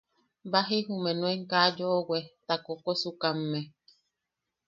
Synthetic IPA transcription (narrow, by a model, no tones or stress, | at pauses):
baɦiɦumenweŋkad͡ʒowet̪akokosukamːe